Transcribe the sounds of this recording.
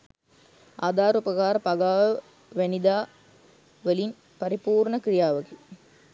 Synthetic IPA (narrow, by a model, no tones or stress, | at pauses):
aːd̪aːɾupɐkaːɾɐpɐɡaːʋə | ʋænid̪aː | ʋəlin | pɐɾipuːɾɳəkɾijaːʋɐɡe